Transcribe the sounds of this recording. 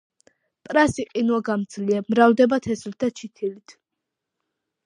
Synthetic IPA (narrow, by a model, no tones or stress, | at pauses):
pʼɾasiqʼinuaɡamd̪z̥liamɾavd̪ɛbat̪ʰɛslt̪ʰat͡ʃʰit̪ʰilit̪ʰ